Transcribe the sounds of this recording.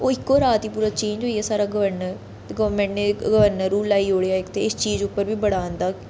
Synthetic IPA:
oːɪkːoːɾaːt̪iːpuːɾaːt͡ʃẽːɲd͡ʒɦoːiaːsaːɾaːɡəʋəɾnəɾ | ɡəʋəɾmẽɳʈneːɡəʋəɾnəɾuːlaːiːoːɽejaːɪkt̪eɪst͡ʃiːd͡ʒʊpːəɾbiːbəɽaːnd̪aː

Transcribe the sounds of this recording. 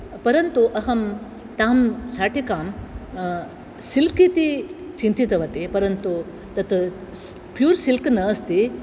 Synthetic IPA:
pɐɾɐnt̪uʔɐɦɐm | t̪aːmsaːʈʰikaːm | silkit̪i | t͡ʃint̪it̪ɐʋɐt̪epɐɾɐnt̪u | t̪ɐt̪ | pjuːɾsilknɐːst̪i

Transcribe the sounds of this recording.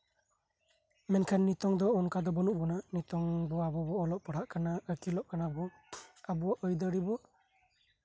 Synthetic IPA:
mɛnkʰanːit̪ɔŋd̪ɔɔnkad̪ɔbɔnuʔbɔnanit̪ɔŋbɔabɔbɔːlɔʔpɔɽaʔkanaəkilɔʔkanabɔ | abɔwaʔəjd̪əɾibɔ

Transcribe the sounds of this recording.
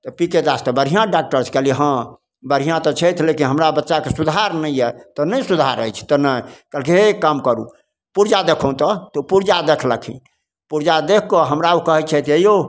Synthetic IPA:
t̪ɔpiked̪ast̪ɔbəɾ̤ijãɖak̚ʈəɾt͡ʃʰkɛliɦã | bəɾ̤ijãt̪ɔt͡ʃʰɛt̪ʰlekinɦəmɾabətːʃakesud̪ʱaɾnəjɛt̪ɔnəjsud̪ʱaɾə̰jt͡ʃʰt̪ɔnəjkɛlkeekamkəɾṵ | puɾd͡ʒad̪ekʰũt̪ɔt̪ɔpuɾd͡ʒad̪ekʰləkʰḭ̃ | puɾd͡ʒad̪ekʰːɔɦəmɾaukəɦɛt͡ʃʰɛt̪ʰejo

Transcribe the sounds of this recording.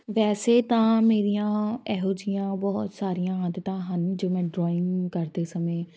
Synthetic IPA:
ʋɛːseːt̪ãːmeːɾijãːɛːɦoːd͡ʒɪjãːbɔːt̪saːɾijãːɦãːd̪t̪ãːɦənd͡ʒoːmɛ̃ːɖɾɔːɪ̃ŋkəɾd̪eːsəmẽː

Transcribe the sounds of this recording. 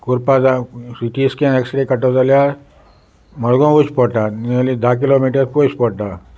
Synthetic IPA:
kuɾpazasiʈiskẽeksʈɾekɐʈozalja | mɐɽɡõut͡ʃpɔʈaniəlid̪ak̬iloːmiːʈəɾpot͡ʃpɔʈa

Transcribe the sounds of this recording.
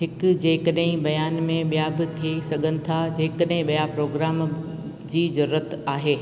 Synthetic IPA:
ɦɪkd͡ʑeːkəɗɦɪ̃bɐjaːnmẽɓijabɪt̪ʰiesɐɡʱənɪ̆t̪ʰad͡ʑeːkəɗɦɪ̃ɓijapɾoːɡɾaːm | d͡ʑiːzɐɾuɾət̪aːɦeː

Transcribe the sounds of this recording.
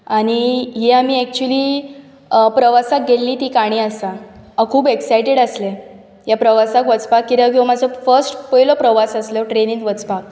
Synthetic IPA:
aɽ̃iɦeamiːɛk̚t͡ɕuəliː | pɾəʋasak̚ɡʱelːiːt̪iːkaɽ̃iːəsaakʰuːbeksajʈeɽəslɛ | japɾəʋasakʋət͡spakːiɾək̬ĩʋamad͡zʱəfəɾsʈpəjlopɾəʋasəsləʈɾenĩŋʋət͡spak̚

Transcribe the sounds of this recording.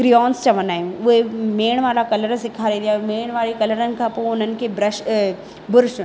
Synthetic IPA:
kɾiɔːnst͡ɕɐʋənaːɦijũʊɦemeːɽ̃ʋaːlakɐləɾsɪkʰaːɾĩd̪ijaːɦmeːɽ̃ʋaːɭikɐləɾənɪ̆kʰãːpoːʊn̤ənɪ̆kʰeːbɾɐʃ | bʊɾʃ

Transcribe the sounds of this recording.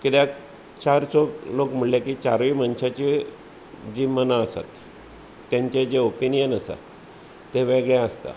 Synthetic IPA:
kit̪ja | t͡ɕaɾsɔlokm̤uɭljekit͡ɕa̰ɾʋiːmənɕat͡ɕi | d͡ʑimənaəsa̰t̪ː | jãɲt͡ɕed͡ʑeopinijənəsa̰ | t̪eʋeɡɭjãəst̪a̰

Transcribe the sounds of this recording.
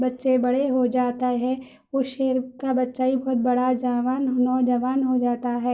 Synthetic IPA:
bɐtːʃebɐɽeɦod͡ʒaːt̪aɦɛː | ʊʃeːɾkabɐtːʃaːibɐɦʊt̪̚bɐɽad͡ʒaʋaːnnɔːd͡ʒəʋaːnɦod͡ʒaːt̪aɦɛː

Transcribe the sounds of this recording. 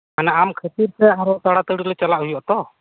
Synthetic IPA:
manaamkʰət̪iɾsɛaɾɔt̪aɽat̪əɽilɛt͡ʃalaʔɦujɔʔt̪ɔ

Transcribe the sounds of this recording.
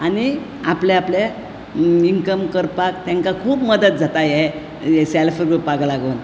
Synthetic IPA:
ani | apleaplje | iŋkəmkəɾpakt̪ɛ̃ŋkakʰuːpməd̪ət̪̚d͡zʱat̪aje | esɛlfəɾɡupaɡlaɡon

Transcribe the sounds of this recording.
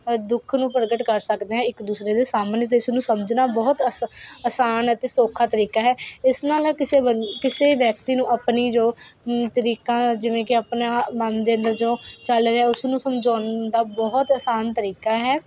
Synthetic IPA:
d̪ʊkʰnũːpəɾɡəʈkəɾsəkd̪eːɦɛ̃ːɪkd̪uːsɾeːd̪eːsaːmənːt̪̬eɪsnũːsəməd͡ʒnaːbɔːt̪əəsaːnət̪eːsoːkʰaːt̪əɾiːkaːɦɛːɪsnaːlːkɪseːbəkɪseːʋjək̚t̪iːnũːʔəpniːd͡ʒoːt̪əɾiːkãːd͡ʒɪʋẽːkɪəpnaːmənd̪eːə̃nd̪əɾd͡ʒoːt͡ʃəlɾeɦɛːʊsnũːsəmd͡ʒaːnd̪aːbɔːt̪əsaːnt̪əɾiːkaːɦɛː

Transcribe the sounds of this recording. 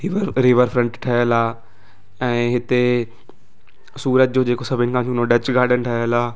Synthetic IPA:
ɾɪʋəɾpʰɾəɳʈʈʰəəlaː | ɛ̃ːɦɪt̪eː | suːɾəd͡ʒd͡ʒõːd͡ʒeːkoːsəbɪ̃ŋɡãːd͡ʒũːnõːɖət͡ʃɡaːɖənʈʰəəlaː

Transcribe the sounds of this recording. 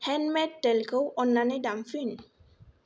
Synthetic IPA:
hɛnmɛtːɛlkowɔnːanedamfyn

